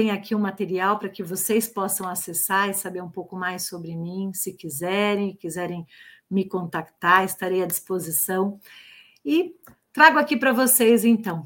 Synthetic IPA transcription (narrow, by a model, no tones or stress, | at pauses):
t̪ẽj̃akʰiũmat̪eɾiawpɾɐkɪvosejspɔsɐ̃w̃asesaɾɪsabeɾũpowkʊmajsobɾɪmĩsɪkizɛɾẽj̃kizɛɾẽj̃mɪkõnt̪akt̪aɾɪst̪aɾejad͡ʒispozisɐ̃w̃ | ɪ | t̪ɾaɡʊakipɾɐvosejzẽnt̪ɐ̃w̃